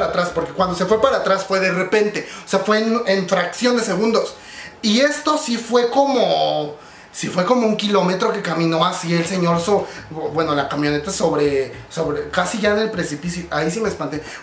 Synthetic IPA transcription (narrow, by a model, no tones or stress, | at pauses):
at̪ɾaspo̞ɾkekwand̪o̞s̬e̞fwe̞paɾaːt̪ɾasfwe̞ðere̞pe̞nt̪e̞oseafwe̞neɱfɾaksjo̞nd̪e̞se̞ɣũnd̪o̞s | ie̞st̪o̞sifwe̞ko̞mo | sifwe̞ko̞mouŋkilo̞me̞t̪ɾo̞ke̞kamĩno̞asielse̞ɲo̞ɾsobwe̞no̞lakamjo̞ne̞t̪aso̞βɾe̞so̞βɾekasiʝaene̞lpɾe̞sipisjoʔaisimespant̪e